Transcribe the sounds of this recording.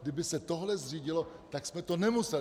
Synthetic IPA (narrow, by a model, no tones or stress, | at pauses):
dɪbɪsɛt̪o̞ɦlɛzr̝iːɟɪlo̞t̪aksmɛt̪o̞nɛmusɛ